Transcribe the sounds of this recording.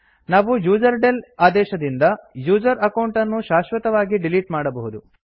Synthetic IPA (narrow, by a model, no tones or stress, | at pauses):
naːʋujuːd͡ʒɐɾɖelaːd̪ɛːʃɐd̪ind̪ɐjuːd͡ʒɐɾɐkɐwɳʈɐnːuʃaːʃʋɐt̪ɐʋaːɡiɖiliʈmaːɽɐbɐɦud̪u